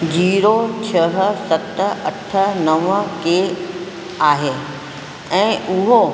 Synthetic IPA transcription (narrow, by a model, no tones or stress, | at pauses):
d͡ʑiːɾot͡ɕʰəɦ̆sɐt̪ɐʈʰə̆nɐʋke | aːɦeː | ɛ̃ːʔʊɦo